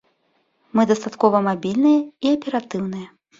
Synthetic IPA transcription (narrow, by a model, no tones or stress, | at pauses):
mɨd̪ɐst̪at̪kɔvɐmabʲilʲnɨjɐiɐpʲɛɾat̪ɨwn̪ɨjɐ